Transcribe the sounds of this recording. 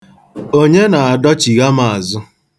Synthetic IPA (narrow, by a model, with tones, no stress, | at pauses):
o˦ɲe˦na˨a˨dɔ˦t͡ʃi˨ɣa˦ma˨a˨zʊ˦